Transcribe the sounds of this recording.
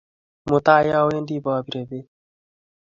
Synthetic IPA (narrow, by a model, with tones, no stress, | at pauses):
mo˨t̪aː˦ja˦˧we˦nd̪i˦baːbi˨ɾe˨be˦